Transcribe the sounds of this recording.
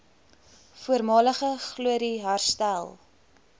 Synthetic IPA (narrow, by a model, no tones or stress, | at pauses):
fuəɾmɑːləχəχluəɾiɦærstælˠ